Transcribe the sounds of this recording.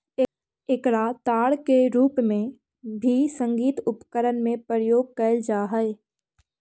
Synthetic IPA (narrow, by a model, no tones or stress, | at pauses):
ekɽat̪aːɽkeɾuːpmẽ | bʱisə̃ŋɡiːt̪ʊpkəɾənmẽpəɾjoːɡ̚kəld͡ʒaːɦəe